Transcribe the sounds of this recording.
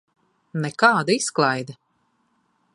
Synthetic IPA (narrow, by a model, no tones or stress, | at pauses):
nɛkɑːd̪isklˠajd̪ɐ